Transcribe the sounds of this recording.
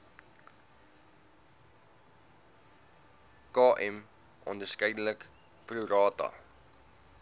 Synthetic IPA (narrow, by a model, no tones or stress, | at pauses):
kɑːʔɛm | ʔɔ̰ndərskəjdələk | pruɾɑːtɐ̰